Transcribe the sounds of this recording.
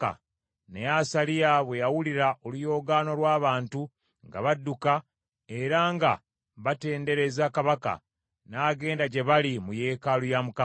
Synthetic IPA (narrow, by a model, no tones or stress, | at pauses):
a̰ | nejasalijaβwe̞jawuliɾaʔo̞lujo̞ɡano̞lwaːβaːntu | ŋɡa̰βadːuka | e̞ɾaŋɡa̰ | βate̞ːnde̞ɾe̞zakaβaka̰ | naːɡe̞ːndaɟe̞βalimuje̞ːkalujamuka